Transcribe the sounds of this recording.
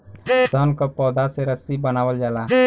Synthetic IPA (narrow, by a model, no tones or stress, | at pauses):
sənkəpɔːd̪aseɾəsibənawəld͡ʒala